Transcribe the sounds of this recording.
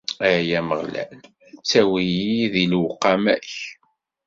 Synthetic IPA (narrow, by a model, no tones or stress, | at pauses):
æjæməʁlæ̰l | t͡sːæwijiðilwqːɑmæ̰ç